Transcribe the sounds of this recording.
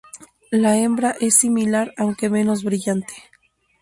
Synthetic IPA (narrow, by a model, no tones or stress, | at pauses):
lae̞mbɾaʔe̞sːimilaɾawŋke̞mẽ̞no̞zβɾiʝant̪e̥